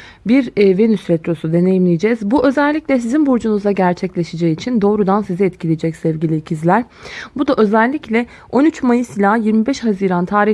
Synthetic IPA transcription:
biɾve̞nysɾɛt̪ɾo̞sud̪e̞ne̞jimlʲijed͡ʒɛzbuʔø̞zɛlʲːiclʲɛsizinboɾd͡ʒunuzaɟæɾt͡ʃʰɛclʲe̞ʃed͡ʒɛiːt͡ʃʰind̪o̞ːɾud̪ansizɛɛt̪cʰilʲed͡ʒɛcsɛvɟilʲiːcʰizlʲæɾ | bud̪aʔø̞zɛlʲːiclʲɛ | ʔo̞nyt͡ʃmajisilʲaːjiɾmibɛʃhaziːɾant̪ʰaːɾi

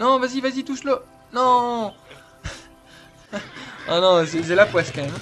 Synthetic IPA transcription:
nɔ̃vazivazit̪uslo | nɔ̃ | nɔ̃nɔ̃sɛzɛlapwɛskɑ̃mɛm

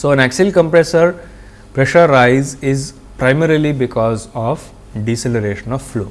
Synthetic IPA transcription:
soːɛ̃næksɪlkə̃mpɾesəɾ | pɾeʃəɾːaɪzɪz | pɾaɪmeɾilibɪkɔːzɔːʋ | ɖiseləɾeːʃə̃nɔʋflṵː

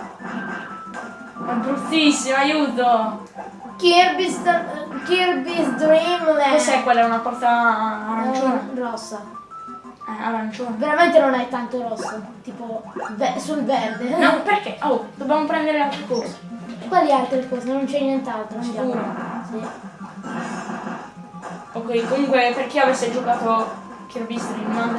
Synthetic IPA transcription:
ɛbɾut̪ːisːimoajuːt̪o | kiɾbist̪kiɾbizd̪ɾimɛosɛjkːwelːaɛunapɔrt̪aːɾant͡ʃonarɔsːa | ɛa̰ɾant͡ʃonveɾament̪enonajt̪ant̪oɾɔsːot̪iːpovɛsulvɛrd̪enɔperkeʔod̪objamopɾɛnd̪eɾealt̪ɾekɔsakwalialt̪ɾekɔːzenont͡ʃɛjnɛnt̪alt̪ot͡ʃipuɾosi | pokoikːomuŋkweperk̟iavesːed͡ʒokaːt̪o | kjurbisd̪ɾim

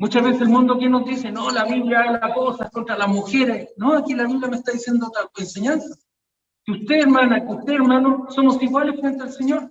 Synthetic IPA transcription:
mut͡ʃazβeseselmũnd̪oak̬enozd̪isenolaβiβljaaɣalakosakont̪ɾalasmuxeɾesnoakilanuŋkamest̪aðisjend̪ot̪aoenseɲansa | keust̪eːɾmanaust̪eeɾmanosomosiɣwalesfɾent̪ealseɲoɾ

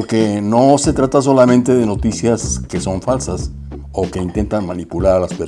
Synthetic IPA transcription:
ɾke̞no̞se̞t̪ɾat̪as̬o̞lamẽnt̪e̞ð̞e̞no̞t̪isjaske̞so̞ɱfalsas | o̞ke̞int̪e̞nt̪anmanipulaɾalaspe

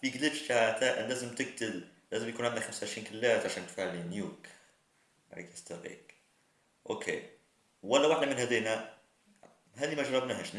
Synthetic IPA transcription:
fiɡlɪbʃt̪aʕt̪æʔænlæːzəmt̪ɪɡ̚t̪ɪl | læːzɪmjkuːnʕɪnd̪æxamsaʕɪʃɾiːnkɪlːæːt̪ʕaʃæːnt̪faʕlinjuːk | ɾḭkəst̪ɑɾḭk | ʔo̰kʰḛ | wælːæwaħd̪æmɪnɦæd̪iːnæ | ɦæːd̪imæʒɑɾˤɑbnæɦæʃ

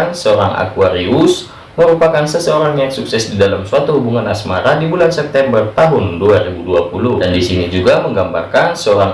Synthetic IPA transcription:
nsəoɾaŋa̰kuaɾiʊs | məɾupakansəsəoɾaŋijaksuksɛsdidalamsuat̪uɦubuŋanasmaɾadibulansɛp̚t̪ɛmbərt̪aɦʊnduaɾibuduapuludandisinid͡ʒuɡaməŋɡambarkansəoɾaŋ

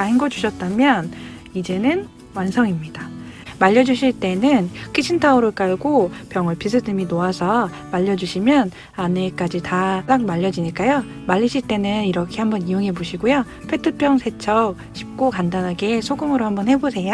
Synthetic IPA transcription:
aɦiŋɡʌd͡ʑuɕʰʌt̚t͈amjʌn | id͡ʑe̞nɯn | wansʰʌŋimɲidamaʎːʌd͡ʑuɕʰiɭt͈e̞nɯnkʰit͡ɕʰintʰauɾɯɭk͈aɭɡopjʌŋɯɭpʰis̬ʰɯdɯminoasʰʌ | maʎːʌd͡ʑuɕʰimjʌn | anek͈ad͡ʑitasaŋmaʎːʌd͡ʑiɲik͈ajo | maʎːiɕʰiɭt͈e̞nɯniɾʌkʰe̞hambʌnijoŋɦe̞boɕʰiɡojo | pʰe̞tʰɯp͈ʰjʌŋsʰe̞t͡ɕʰʌp | ɕʰi̥p̚k͈okandanɦaɡesʰoɡɯŋɯɾohambʌnhe̞bosʰe̞ja

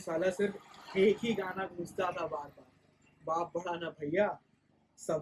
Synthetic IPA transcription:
saːlasɪɾfeːkɦiɡʱaːnaɡʱũːd͡ʒt̪at̪ʰabaːɾkaː | baːp̚bʱɐɽaːnabʱɐjjːaː | sɐ

